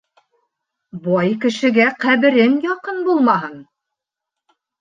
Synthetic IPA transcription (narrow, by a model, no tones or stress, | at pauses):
bɑjkɘ̆ʃɘ̆ɡæqæβɘ̆ɾɘnjɒqɤnbulˠmɑɦɤn